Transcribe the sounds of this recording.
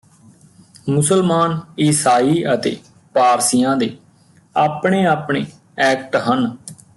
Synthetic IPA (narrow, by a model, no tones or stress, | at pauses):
mʊsəlmaːniːsaːiːət̪ḛː | paːɾsijãːd̪eː | aːpɳ̃eːaːpɳeː | ɛːk̚ʈɦən